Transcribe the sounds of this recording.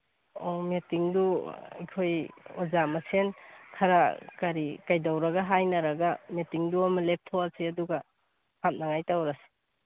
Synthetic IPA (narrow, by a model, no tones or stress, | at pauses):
ɔmetiŋdua̰jkʰojɔzamasʰenkʰaɾakaɾikajdawɾaɡaɦajnaɾaɡametiŋduamalep̚tʰowasiaduɡa | hap̚naŋajtawɾase̥